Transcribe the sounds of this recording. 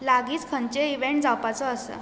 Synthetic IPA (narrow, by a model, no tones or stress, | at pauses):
laɡiːt͡skʰənt͡ɕeiʋeɳʈd͡zawpat͡sɔəsə̰